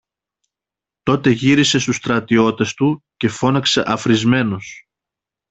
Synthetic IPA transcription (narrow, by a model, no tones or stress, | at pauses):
t̪o̞t̪e̞ʝiɾise̞st̪ust̪ɾɐt̪io̞t̪e̞st̪uce̞fo̞nɐkse̞̰ʔɐfɾizme̞nus